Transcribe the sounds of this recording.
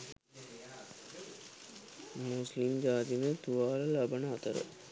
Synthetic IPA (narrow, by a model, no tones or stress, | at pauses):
muslimd͡ʒaːt̪inət̪uʋaːləlabənəat̪əɾə̰